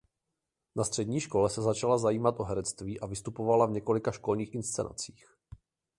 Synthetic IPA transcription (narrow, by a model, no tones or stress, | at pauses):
nast̪r̥ɛdɲiːʃko̞lɛsɛzat͡ʃalazajiːmat̪ʔo̞ɦɛɾɛt͡st̪viːʔavɪst̪upo̞valavɲɛko̞lɪkaʃko̞lɲiːxɪnst͡sɛ̰na̰t͡siːx